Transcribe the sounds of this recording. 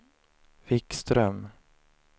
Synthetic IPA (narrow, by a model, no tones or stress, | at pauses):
vɪkst̪ɾœm